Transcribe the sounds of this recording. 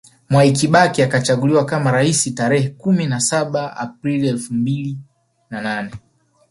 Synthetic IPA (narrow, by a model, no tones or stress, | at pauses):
mwaikiɓakiakat͡ʃaɡuliwakamaɾaisitaɾɛhɛkuminasaɓaa̰p̚ɾiliɛlfumbili | nananɛ